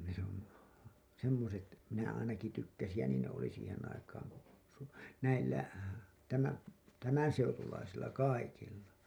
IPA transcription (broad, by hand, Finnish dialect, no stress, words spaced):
se on semːoset minæ ɑinɑki tykːæsij jɑ niːn ne oli siːhen ɑikɑːŋ ku su næilːæ tæmæ tæmænseutulɑisilːɑ kɑikilːɑ